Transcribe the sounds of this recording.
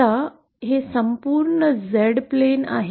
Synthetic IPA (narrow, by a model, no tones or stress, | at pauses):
a | ɦesəmpuːɾɳəzeɽplena̰ɦe